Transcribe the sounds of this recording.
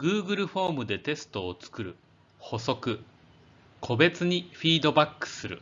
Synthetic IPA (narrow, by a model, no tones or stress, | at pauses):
ɡɯ̟ːɡɯ̟ɾɯ̟ɸo̞ːmɯ̟d̪e̞t̪e̞sɨ̥t̪o̞ːt͡sɨ̥kɯ̟ɾɯ̟̰ | ho̞so̞kɯ̟ | kʰo̞be̞t͡sɨɲ̟iɸʲiːd̪o̞bakːɯ̥sɨɾɯ̟̰